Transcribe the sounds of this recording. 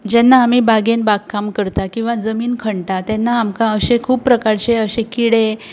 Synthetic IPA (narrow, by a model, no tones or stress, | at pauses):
d͡ʑɛnːaːm̤iːbaɡenbaɡkːamkəɾt̪akĩw̃ʋad͡zəmiːnkʰəɳɖʈat̪ɛnːaːmkaəɕekʰuːppːɾəkaɾt͡ɕeəɕekiɽe